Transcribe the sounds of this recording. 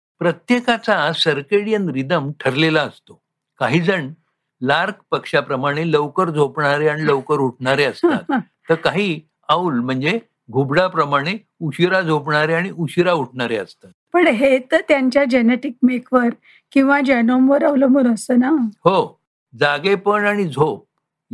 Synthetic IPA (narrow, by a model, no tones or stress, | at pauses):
pɾət̪jekat͡sasəɾkeɽijənɾid̪əmʈʰəɾlelaəst̪o | kaɦiːd͡zəɳ | laɾkpəkʂapɾəmaɽ̃eləwkəɾd͡zʱopɳaɾeaɽ̃iləwkəɾuʈʰɳaɾeəsat̪ː | əɾkaɦiː | aulm̤əɳd͡ze | ɡʱubɽapɾəmaɽ̃e | uɕiɾad͡zʱopɳaɾeaɽ̃iʔuɕiɾauʈʰɳaɾeəst̪at̪̚pəɳɦet̪ət̪jaɲt͡ɕjad͡ʑeneʈik̚mekʰʋəɾ | kĩw̃ʋad͡ʑənomʋəɾaʋləmuɾəst̪ənaho | d͡zaɡepəɳaɽ̃id͡zʱop